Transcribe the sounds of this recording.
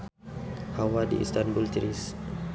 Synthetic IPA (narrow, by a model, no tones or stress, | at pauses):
hawadḭʔḭst̪anbult̪iɾis